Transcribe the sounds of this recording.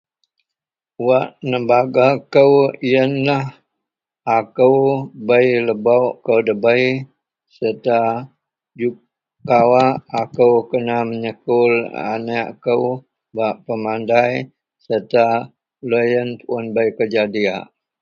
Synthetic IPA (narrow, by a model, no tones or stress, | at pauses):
waʔnəmbaɡakəwijənlah | akəwbəjləbawʔkəwdəbəj | sərt̪a | d͡ʒu | kawaːkəwkənaməɲəkʊla̰naʔkəw | baʔpəmandaj | sət̪a | ləjənpuənbəjkəd͡ʒadiaʔ